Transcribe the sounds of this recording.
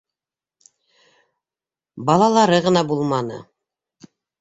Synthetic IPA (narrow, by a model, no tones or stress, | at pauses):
bɑlˠɑlˠɑɾɤʁɤ̆nɑbulˠmɑnɤ̰